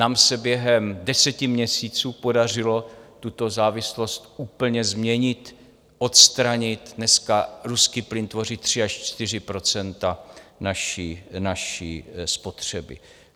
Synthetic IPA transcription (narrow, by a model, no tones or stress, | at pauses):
naːmsɛbjɛɦɛmdɛsɛcɪmɲɛsiːt͡suːpo̞dar̝ɪlo̞t̪ut̪o̞zaːvɪslo̞st̪ʔuːpl̩ɲɛzmɲɛɲɪt̪ | ʔo̞t̪st̪ɾaɲɪt̪nɛskaɾuskiːplɪnt̪vo̞rɪt̪̚ːr̝̥ɪaʃt͡ʃt̪ɪr̝ɪpɾo̞t͡sɛnt̪anaʃiːnaʃiːspo̞t̪r̝̥ɛbɪ̰